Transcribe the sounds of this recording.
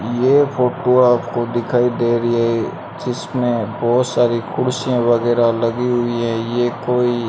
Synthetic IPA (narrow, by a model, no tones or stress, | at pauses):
jeːpʰoːʈoaːpkod̪ɪkʰaːid̪eːɾəiɦɛɛ | d͡ʒɪsmẽbɔːt̪saːɾikʰʊɽsijãʋɐɡɛːɾalɐɡiɦʊiɦɛ̃jeːkoːi